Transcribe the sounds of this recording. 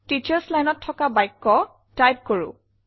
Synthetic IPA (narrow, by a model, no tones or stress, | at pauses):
tit͡ʃɛɹslajnɔtʰːɔkabajkːɔ | tajp̚koɹʊ̰